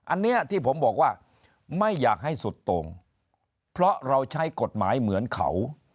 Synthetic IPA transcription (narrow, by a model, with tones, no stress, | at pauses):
ʔa˧nːi˦˥ɐt̪ʰiː˥˩pʰo˩˦mbɔː˨˩k̚waː˥˩ | ma˥˩jːaː˨˩k̚ha˥˩jsu˨˩t̪ːoː˧ŋ | pʰɾɔ˦˥ʔɾa˧wt͡ɕʰa˦˥jko˨˩t̪̚maː˩˦jmɯ˩˦ənkʰa̰˨˩˦w